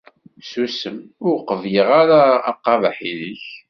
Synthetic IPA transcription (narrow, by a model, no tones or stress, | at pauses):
susəmʊɾqəvjiʁaɾaːqːɑvaħiliç